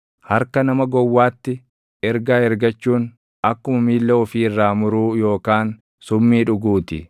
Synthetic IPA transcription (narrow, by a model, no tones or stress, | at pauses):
hɐɾkɐnɐmɐɡɔwːaːt̪ːɪ | ɛɾɡaːɛɾɡɐt͡ʃːuːn | ɐkːʊmɐmiːlːɐɔfiːɪrːaːmʊɾuːjo̞ːkaːn | sʊmːiːᶑʊɡuːt̪ɪ